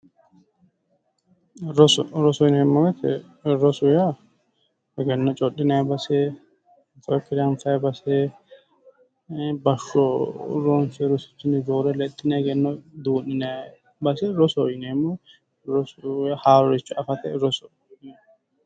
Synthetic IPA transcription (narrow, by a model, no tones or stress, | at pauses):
ɾɔsɔɾɔsɔjɪnɛmːɔɡɛt̪ɛ̰ | ɾɔsɔja | ɛɡɛnːɔt͡ʃʼɔɗɪnɐjbɐse | fɐjɔkːɪlɐnfɐjbɐse | bɐʃɔɾonsɛɾɔsɪ̥t͡ʃːɪnːɪd͡ʒoːɾɛlɛt̪ʼːɪnɛɡɛnːɔd̪uːnːɪnɐ | bɐsɛɾɔsɔjnemːɔ | ɾɔsjahaːɾɔɾɪt͡ʃːɔɐfɐt̪ɛ̰ɾɔsɔ | nɛ